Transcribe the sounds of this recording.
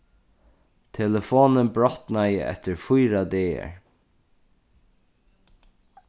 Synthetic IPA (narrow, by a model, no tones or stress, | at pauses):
t̪ʰɛləfoːnənbɹɔht̪najəʔɛ̰t̪ɪɹfʊjɾad̪eːɛ̰ɹ